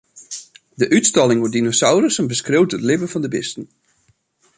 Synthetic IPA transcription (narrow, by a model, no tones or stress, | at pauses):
dəʔytstɑlˠɪŋʊdinosawrəsənbəskrewtətlɪbəvɑndəbɪstən̩